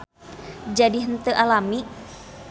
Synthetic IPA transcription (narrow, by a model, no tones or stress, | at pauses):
d͡ʒadiɦənt̪əʔalami